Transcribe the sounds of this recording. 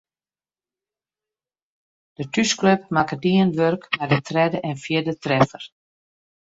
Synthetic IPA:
d̥ətyskløp̚makədiənʋørkmadətrɛdəʔɛnfjɪdətrɛfər

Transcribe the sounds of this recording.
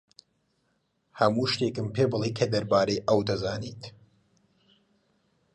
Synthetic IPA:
hɐmuːʃt̪eːkɨmpʰeːbɨlˠejkʰɐd̪ɐɾbaːɾejʔɐwd̪ɐzaːniːt̪

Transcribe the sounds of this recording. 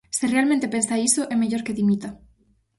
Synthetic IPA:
serealmẽnt̪epensaisoʔemeʝoɾkeðimit̪a

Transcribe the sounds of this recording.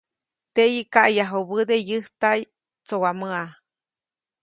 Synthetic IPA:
t̪ejikaʔjaɦoβɨd̪ejɨht̪aj | t͡sowaməa

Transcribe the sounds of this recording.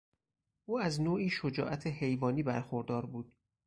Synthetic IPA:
ʔuːæznoːʔiːʃod͡ʒɒ̰ːʔæt̪ʰehe̞jvɒːniːbæ̰ɾxoɾd̪ɒːɾbuːd̪̥̚

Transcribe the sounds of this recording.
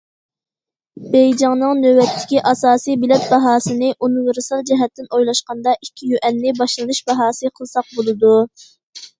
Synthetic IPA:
b̥ɛjd͡ʒɑŋnɨŋnøwɛt̪ʰːɪ̥kʲiʔɑsɑːsijbilɛt̪̚bɑɦɑːsɨnɨʔunɨɾɨsɑlˠd͡ʒɛɦɛt̪ːɪnojlˠɑʃqɑnd̪ɑʔikʲʰːijyʔɛnːɪbɑʃlˠɨnɨʃbɑɦɑːsɨqʰəlˠsɑq̚bolˠɨd̪u

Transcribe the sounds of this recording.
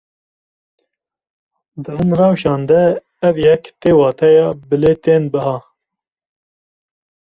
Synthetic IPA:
d̪ɨɦumrɑːwʃɑːnd̪ɛː | vjɛkt̪eːwɑːt̪ʰɛjɑːbɨleːt̪eːnbɨɦɑː

